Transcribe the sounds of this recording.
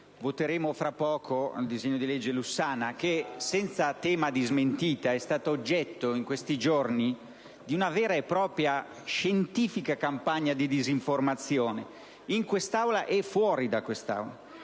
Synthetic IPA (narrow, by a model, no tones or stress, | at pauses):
vot̪eɾeːmofɾapːɔːkʰoa̰ld̪izeɲːod̪ilɛd͡ʒːelusaːnak̟esɛnt̪sat̪ɛːmad̪izment̪iːt̪aɛst̪aːt̪ood͡ʒːɛt̪ːoiŋkwest̪id͡ʒorni | d̪iunavɛːɾaepːɾɔːpɾja | ʃent̪iːfikakampaɲːad̪id̪iziɱformat̪sːjoːne | iŋkwest̪awlaʔɛfwɔːɾid̪akwest̪a̰wla